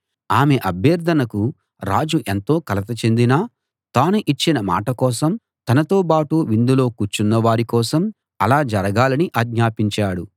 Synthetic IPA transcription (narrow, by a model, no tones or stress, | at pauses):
aːme̞ʔɐbʱjɐɾd̪ʱɐnɐku | ɾaːd͡ʒuʔe̞nt̪o̞ːkɐlɐt̪ɐt͡ʃe̞nd̪inaː | t̪aːnuʔit͡ʃːinɐma̰ːʈɐkɔːsɐm | t̪ɐnɐt̪o̞ːpaːʈuʋind̪ulo̞ːkut͡ʃunːɐʋaːɾikɔːsɐm | ɐlaːd͡ʒɐɾɐɡaːlɐniʔaːɡɲaːpiɲt͡ʃaːɽu